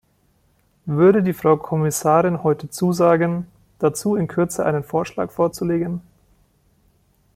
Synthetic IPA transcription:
vʏɐɾədiːfʁ̥aʊkʰɔmɪsaːʁɪnhɔʏtʰət͡suːzaːɡən | d̥at͡suːɪnkʰʏɐt͡səʔa̰ɪnənfoːɐʃla̰ːkfoːɐt͡suleːɡən

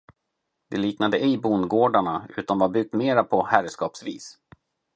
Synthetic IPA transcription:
d̪̥ɛliːknad̪əɛɪbunɡoːɖaɳaʉ̟̰ːt̪anvabʏɡ̚t̪meːɾapʰɔhæɾskɑːpsvḭːs

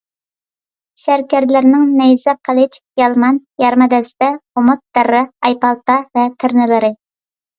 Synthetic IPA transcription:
sæɾkʲæɾd̪lɪɾnɪŋnɛjzɛqʰɑlˠɪt͡ʃjɑlˠmɑnjɑɾmɨd̪ɛsd̪ɛomʊt̪̚d̪æɾɨɑjpɑlˠt̪ɑvɛt̪ʰɪɾnɪlɨɾɨ

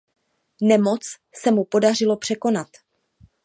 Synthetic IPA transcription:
nɛmo̞t͡s | sɛmupo̞dar̝ɪlo̞pr̥ɛko̞nat̪

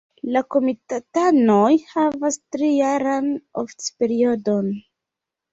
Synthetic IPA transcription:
lako̞mitatanojhavastɾijaɾanoftpe̞ɾio̞don

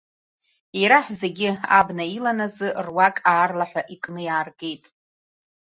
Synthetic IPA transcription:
iɾaħʷze̞ɡʲɪa̰bnailanazɨrwakʼaːrlaħʷᶣaʔikʼnɨjaːrɡe̞jtʼ

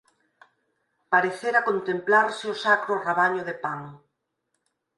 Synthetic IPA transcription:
paɾeθeɾakont̪emplaɾsɪʊsakɾʊreβaɲʊðepanʊ

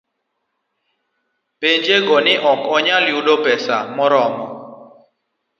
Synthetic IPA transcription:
peɲd͡ʒeɡɔnɪʔɔkɔɲaljuɗopɛsa̰mɔɾɔmɔ

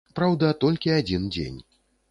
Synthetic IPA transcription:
pɾawd̪ɐt̪ɔlʲkʲiad͡zʲind͡zʲḛnʲ

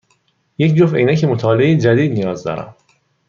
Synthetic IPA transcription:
je̞cd͡ʒofḛinæcʰemot̪ʰɒːleejed͡ʒæd̪iːd̪nijɒːzd̪ɒ̰ːɾæ̰m

